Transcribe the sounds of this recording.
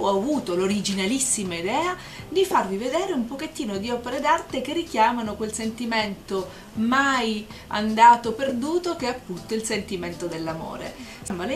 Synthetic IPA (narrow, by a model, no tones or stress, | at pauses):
ɔavuːt̪oloɾid͡ʒinalisːimaid̪ɛːa | d̪ifarvived̪ɛːɾeumpoket̪ːiːnod̪iɔpeɾed̪art̪ekerːikjaːmanokwelsent̪iment̪o | maj | a̰nd̪aːt̪operd̪uːt̪okeapːunt̪oilsent̪iment̪od̪elːamo̰ːɾḛsmːal